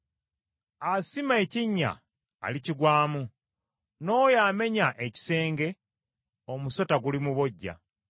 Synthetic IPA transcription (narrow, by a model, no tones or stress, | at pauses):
asimae̞ciɲːa̰ː | liciɡwaːmu | no̞ːjame̞ɲaʔeci̥se̞ːŋɡe̞ | omuso̞taɡulimuβo̞ɟːa̰